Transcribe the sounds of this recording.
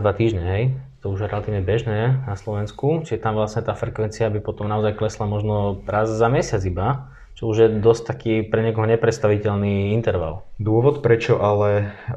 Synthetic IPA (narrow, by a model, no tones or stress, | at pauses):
d̪ʋat̪iːʒɲɛɦɛjt̪ɔuʒɾɛlat̪iːʋɲɛbɛʒnɛːnaslɔʋɛnskut͡ʃiʒɛt̪amʋlasɲɛt̪aːfɾɛkʋɛnt͡siabipɔt̪ɔmnaɔzajklɛslamɔʒnɔɾazːamɛsɪad͡ziba | t͡ʃɔuʒjɛd̪ɔsc̚t̪akiːpɾɛɲɪɛkɔɦɔɲɛpɾɛt̪st̪aʋicɛlniːint̪ɛɾʋa̰ld̪ʊɔʋɔt̪pɾɛt͡ʃɔʔalɛ